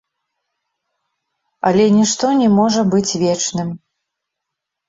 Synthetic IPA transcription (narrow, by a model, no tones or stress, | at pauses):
ɐ̰lʲɛnʲɛʂt̪ɔnʲɛmɔʐɐbɨt͡sʲvʲɛt͡ʂnɨm